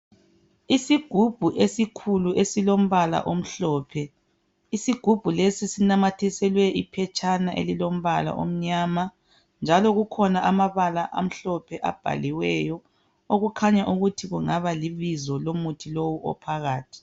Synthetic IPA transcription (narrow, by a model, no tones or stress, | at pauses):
isiɡ̥ʱub̥ʱuʔesikʰuluʔesilom̩βala̰ʔom̩ɬɔːpʰɛ | isiɡ̥ʱub̥ʱulesisinamatʰisɛlwɛʔipʰɛt͡ʃʼʰanaʔḛlilom̩βala̰ʔo̰m̩ɲaːma | nd͡ʒʱalɔɣukʰɔnaʔamaβalaʔa̰m̩ɬɔpʰɛʔa̰b̥ʱa̰liwɛjɔ | oɣukʰaɲaʔuɣutʰiɣuŋaβaliβizɔlomutʰilowuʔɔ̰pʰaɣaːtʰi̥